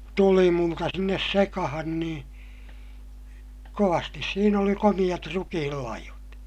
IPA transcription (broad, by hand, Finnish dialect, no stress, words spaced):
tulimultɑ sinːes sekɑhɑn niː koʋɑstis siːn oli komij̆ɑt rukihilːɑihot